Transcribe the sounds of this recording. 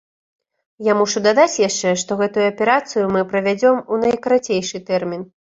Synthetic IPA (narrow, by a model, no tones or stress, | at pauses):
jamuʂud̪ad̪at͡sʲjaʂt͡ʂɛʂt̪ɔɣɛt̪ujuɐpʲɛɾat̪sɨjumɨpɾɐvʲad͡zʲɔmunɐjkɐɾat͡sʲejʂɨt̪ɛrmʲin